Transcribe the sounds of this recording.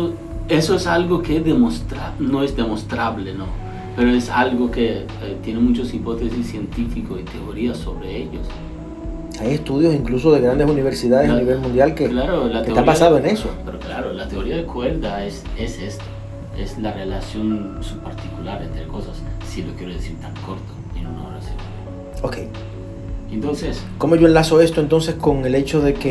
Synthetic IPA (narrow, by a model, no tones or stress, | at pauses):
o | esoesalɣokeezðemost̪ɾano̞ezd̪emost̪ɾaβleno | pe̞ɾoesalɣoke | et̪je̞nemũt͡ʃosipo̞t̪esisːje̞nt̪ifikosit̪eoɾiaso̞βɾeeʎos | ajest̪uðjosiŋklusoðeɣɾand̪esuniβeɾsiðaðeaniβelmũnd̪jalkeklaɾolat̪eeapasaðoenesopeɾoklaɾolat̪e̞oɾiaðekwe̞ld̪aesesest̪o̥ | eslarelasjo̞nsupaɾt̪ikulaɾent̪ɾeko̞sasː | ilokje̞ɾoðesiɾt̪aŋkʰoɾt̪o̥inono̰reseβ | oke̞̰j | ent̪o̞nses | ko̞mo̞ʝo̞elasoe̞st̪oe̞nt̪ons̬esko̞ŋe̞le̞t͡ʃoðe̞ke